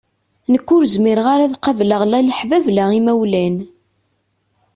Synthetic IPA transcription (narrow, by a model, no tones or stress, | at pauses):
nəkʷːʊɾzmiɾʁaɾaðqɑvləʁlæləħvævlæʁimæwlæn